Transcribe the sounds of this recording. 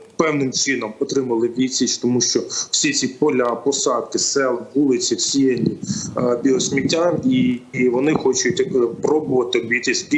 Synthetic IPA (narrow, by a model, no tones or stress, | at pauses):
pɛwnɪmt͡ʃɪnɔmɔt̪ɾɪmɐlˠɪʋʲisʲit͡ʃt̪ɔmuʃt͡ʃɔw̥sʲit͡sʲipɔlʲɐpɔsɑd̪̚kɪsɛlˠɦulˠɪt͡sʲiwsʲijenʲibʲiɔsʲmʲitʲːaniʋɔnɪxɔt͡ʃʊtʲpɾɔbʊʋɐt̪ɪʋʲit̪ʲisʲi